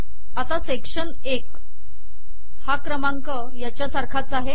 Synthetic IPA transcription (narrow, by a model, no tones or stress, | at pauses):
at̪asekʂən | ek | hakɾəmaŋkə | jat͡ɕjasaɾkʰat͡saɦe